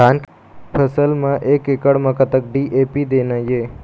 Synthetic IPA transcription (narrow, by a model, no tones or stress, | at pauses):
aːn | pʰəsəlmãʔekːekəɽmãkət̪ək̚ɖiʔepid̪enaje